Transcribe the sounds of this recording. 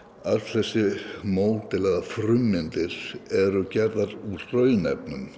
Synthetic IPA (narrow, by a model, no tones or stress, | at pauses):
alθɛsːɪmoːwt̪ɪlɛɣafɾʏmːɪnt̪ɪɾ̥ɛɾʏcɛɾðaɾurœːɥnɛ̰p̚nʏm